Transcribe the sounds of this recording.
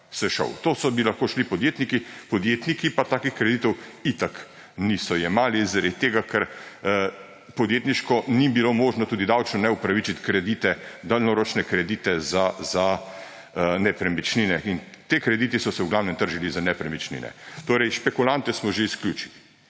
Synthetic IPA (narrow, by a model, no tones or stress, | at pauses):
sɛʃə̰wt̪oːsɔbilaxkoːʃlipɔd̪jeːt̪nikipɔd̪jet̪nikipat̪aːkixkɾɛd̪iːt̪ɔwit̪ak | nisɔjɛmaːlizaɾed̪̚t̪eːɡakʰɛɾ | pɔd̪jeːt̪niʃkɔnibilomoːʒnɔt̪uːd̪id̪awt͡ʃnɔnɛupɾaʋit͡ʃit̪kɾɛd̪it̪ɛd̪alnɔɾot͡ʃnɛkɾɛd̪iːt̪ɛzaza | nɛpɾɛmit͡ʃninɛint̪ekɾɛd̪iːt̪isɔsɛwɡlawnɛmt̪əɾʒilizanɛpɾɛmit͡ʃnḭnɛ̰t̪oːɾɛjʃpɛkulant̪ɛsmɔʒeisklʲjuːt͡ʃili